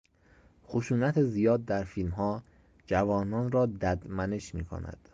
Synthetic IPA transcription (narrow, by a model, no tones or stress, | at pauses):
xoʃuːnæt̪ʰezijɒːd̪̚ːæɾfiːlmɦɒː | d͡ʒævɒːnɒːnɾɒːd̪æd̪mæne̞ʃmiːkʰo̰næ̰d̪̥